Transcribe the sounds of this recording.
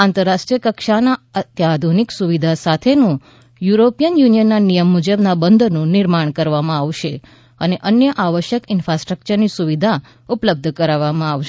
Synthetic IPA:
ãnt̪əɾːaʃʈɾijəkəkʃanaət̪jad̪ʱuniksuʋid̪ʱasat̪ʰenũ | juɾopijənjunijənːanijəmːud͡ʒəbnabənd̪ʱnũnɪɾmaɳkəɾʋamãaʋʃe | əneʔənjəʔaʋəʃjəkɪnfɾasʈɾək̚t͡ʃəɾnisuʋid̪ʱa | upləb̚d̪ʱkəɾaʋːamãaʋʃe

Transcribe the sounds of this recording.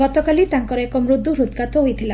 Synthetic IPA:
ɡɔt̪ɔkalit̪aŋkɔɾekɔmɾud̪ʱːuɾud̪kat̪ɔɦojt̪ʰila

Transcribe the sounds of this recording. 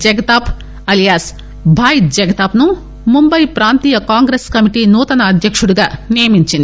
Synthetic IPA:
d͡ʒɐɡɐt̪aːp | ɐlijaːs | bʱaːjit̪̚d͡ʒɐɡɐt̪aːpnu | mumbɐjpɾaːnt̪iːjɐkaːŋɡɾeskɐmiʈiːnuːt̪ɐnɐːd̪ʱjɐkʂuɽuɡaːnijɐmiɲt͡ʃind̪i

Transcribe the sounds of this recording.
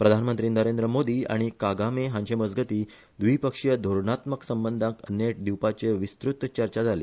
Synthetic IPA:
pɾəd̪ʱanmənt̪ɾiːnəɾend̪ɾəmod̪iːa̰ɽ̃ikaɡameɦãɲɕeməd͡zɡət̪iː | d̪ʋiːpəkʂjəd̪ʱoɾɳat̪məksəmbənd̪ʱãkə̰njeʈ̚d̪iwpat͡ɕeʋist̪ɾut̪ːt͡ɕəɾt͡ɕad͡zʱalḭː

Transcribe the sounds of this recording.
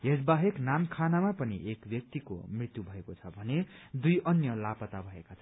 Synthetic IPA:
ɦesbaɦeknamkʰanamapʌnḭʔekbjʌk̚t̪iko̰mrit̪jubʱʌekot͡sʰʌbʱʌned̪ujʔʌnjʌlapʌt̪abʱʌekat͡sʰʌ

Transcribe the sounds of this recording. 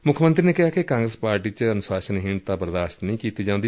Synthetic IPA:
mʊkʰmənt̪ɾiːneːkɪɦaːkekãːŋɡɾəspaːɾʈiːt͡ʃənʊsaːʃənɦɪɳt̪aːbəɾd̪aːʃt̪nəĩːkiːt̪iːd͡ʒãːnd̪i

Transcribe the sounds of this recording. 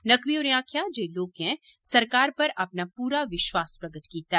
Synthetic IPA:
nɐkʋiɔːɾãːkʰjad͡ʒeːloːkɦɛ̃ | sɐɾkaːɾpɐɾʔɐpnapuːɾaʋɪʃwaːspɾɐɡət̪kiːt̪aɦɛ

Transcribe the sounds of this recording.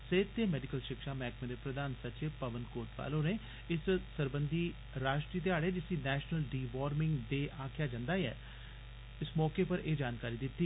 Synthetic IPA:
seːt̪t̪ːeːmɛːɖɪkəlʃɪkʃaːmɛːkmẽːd̪eːpɾəd̪aːnsət͡ʃeːpəʋənkoːɾt̪ʋa̰ːloːneː | ɪssəɾbənd̪iː | ɾaːʃʈɾiːt̪̬eaːɽɛːd͡ʒɪsiːnɛːʃnəlɖiːʋaːɾmɪ̃ŋɡd̪eːʔaːkʰjaːd͡ʒãːnd̪aːɛ̰ː | ɪsmɔːkeːpəɾeːd͡ʒaːnkaːɾiːd̪ɪt̪ːiː

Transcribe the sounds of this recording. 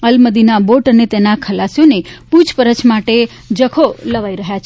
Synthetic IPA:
əlməd̪inaboʈənet̪enakʰəlasijonepud͡ʒpəɾət͡ʃmaʈe | d͡ʒəkʰoləʋaiɾəɦjat͡ʃʰ

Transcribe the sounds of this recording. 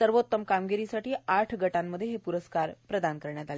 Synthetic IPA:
səɾʋot̪ːəmkamɡiɾisaʈiːaʈʰɡəʈamːəd̪ʱːjeɦepuɾəskaɾpɾəd̪ankəɾɳjat̪ale

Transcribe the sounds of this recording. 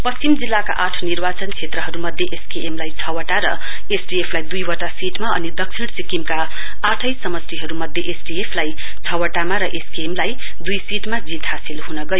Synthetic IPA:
pʌst͡simd͡zilːaka̰ʔaʈʰnirbat͡sʌnt͡sʰet̪rʌɦʌɾumʌd̪ʱːjeʔeskeʔemlajt͡sʰʌwʌʈaɾʌ | esʈiepʰlajd̪ujwʌʈasiʈmaʌnid̪ʌksʰiɽ̃sikimka | aʈʰʌjsʌmʌsɾiɦʌɾumʌd̪ʱjeʔesʈiepʰlaj | t͡sʰʌwʌʈamaɾʌʔeskeemlaj | d̪ujsiʈmad͡zit̪ɦasilɦunʌɡʌjo

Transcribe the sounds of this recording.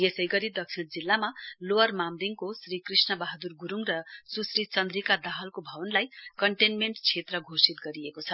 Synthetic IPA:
jesʌjɡʌɾid̪ʌk̚t͡sʰiɽd͡zilːamaloʌrmamd̪iŋkosrikrisnʌbaɦad̪urɡuɾuŋrʌsusrit͡sʌnd̪rikad̪aɦʌlkobʱʌbʌnlajkʌɳʈenmeɳʈt͡sʰet̪rʌɡʱosit̪ɡʌɾiekot͡sʰʌ

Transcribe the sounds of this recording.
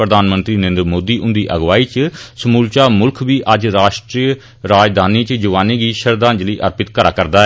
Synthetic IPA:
pɾəd̪aːnmənt̪ɾiːnẽːnd̪əɾmoːd̪iːʔʊnd̪iːʔəɡʋaːiːt͡ʃsəmuːlt͡ʃaːmʊlkʰʋiːʔəd͡ʒɾaːʃʈɾiː | ɾaːd͡ʒd̪aːniːt͡ʃd͡ʒəʋaːneːɡiːʃəɾd̪ãːnd͡ʒliːʔəɾpɪt̪kəɾa̰ːkəɾd̪aːɛ

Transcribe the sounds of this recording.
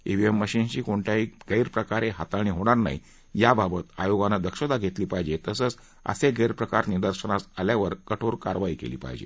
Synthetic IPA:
eʋiemːəɕint͡ɕiːkoɳʈʰaiɡəjɾpɾəkaɾeɦat̪aɽ̃iːɦoɽ̃aɾna̰ḭ | jababət̪a̰joɡanad̪əkɕəd̪aɡʱet̪liːpaɦjd͡ʑet̪əsət͡s | ə̰seɡəjɾpɾəkaɾnid̪əɾɕənasaljaʋəɾkəʈʰoɾkaɾʋaiːkḛliːpa̰ɦjd͡ʑḛ

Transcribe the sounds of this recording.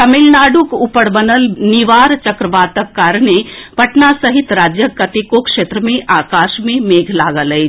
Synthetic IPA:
t̪ɐmɪlnaːɖukupəɽbənəlniʋaːɾt͡ʃəkɾəʋaːt̪əkːaːɾɳepɐʈnasɐɦit̪ɾaːd͡ʒjəkɐt̪ikokʂeːt̪ɾəmẽʔaːkaːʃmẽmeːɡʱlaːɡələj

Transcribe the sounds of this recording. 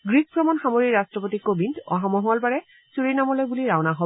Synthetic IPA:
ɡɹik̚pɹɔmɔnxamoɹiɹastɹɔpotikːobʱindɔ̰ɦamɔɦɔlbaɹɛ | suɹinamɔlojbuliɹawnaɦo

